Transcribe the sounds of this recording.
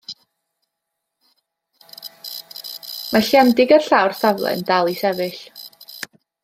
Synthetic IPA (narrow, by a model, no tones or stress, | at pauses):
maɬjandɪɡərɬawrθavlˠɛ̰ndalˠisɛvɨɬ